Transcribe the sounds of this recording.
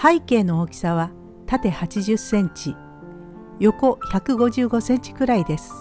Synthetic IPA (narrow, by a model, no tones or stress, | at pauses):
haike̞ːno̞okʲi̥saβa | t̪at̪e̞hat͡ɕiʑɨsẽ̞ɲt͡ɕi | jo̞ko̞çakɯ̟ɡo̞ʑɨːɡo̞sẽ̞ɲ̟t͡ɕi̥kɯ̟ɾaid̪e̞sɨ̥